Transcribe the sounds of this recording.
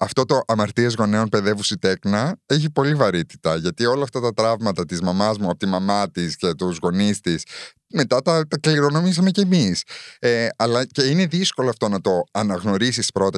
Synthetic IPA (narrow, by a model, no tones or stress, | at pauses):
ɐft̪o̞t̪o̞ʔɐmɐɾt̪iɐzɣo̞ne̞onpe̞ðe̞vusit̪e̞knɐeçipo̞livɐɾit̪i̥t̪ɐʝɐt̪io̞lɐːft̪ɐt̪ɐt̪ɾɐvmɐt̪ɐt̪izmɐmɐzmuɐpot̪imɐmɐt̪isce̞t̪uzɣo̞nist̪is | me̞t̪ɐt̪ɐt̪ɐkliɾo̞no̞mis̬ɐme̞ceːmiseɐlɐce̞ine̞ðisko̞loɐft̪o̞nɐt̪o̞ɐnɐɣno̞ɾisispɾo̞t̪ɐ